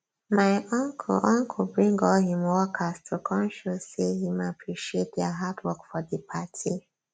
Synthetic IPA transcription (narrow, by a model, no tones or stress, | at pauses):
maɪʔɔ̃ŋkʰʔɔ̃ŋkʰɔbɹĩŋɡɔlhĩmwɔkʰastʰukʰɔ̃nʃussehimapʰɹiʃiet̚dɛɦadwɔkfɔðəpʰatʰi